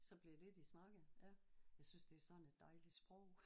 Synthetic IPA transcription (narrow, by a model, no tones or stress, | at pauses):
sɒ̽b̥leɐle̝d̥isnɑ̈ɡ̥əjæjɑ̈ɪsynsd̥e̝æɐsɒ̽d̥n̩e̝d̥ːɑ̈ɪlid̥sb̥ʁɔʊ̰